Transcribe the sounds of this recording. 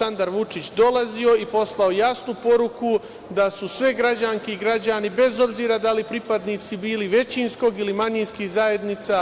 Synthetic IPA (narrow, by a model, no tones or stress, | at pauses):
and̪aɾʋut͡ʂit͡ɕd̪o̞lˠazio̞ipo̞slˠaojasnupo̞ɾuku | d̪asusʋeɡɾad͡ʑaːŋkeɡɾad͡ʑanibe̞zo̞bziːɾad̪alipɾipad̪niːt̪sibiːliʋe̞t͡ɕinsko̞ɡilimaɲinskihzaje̞d̪nit̪sa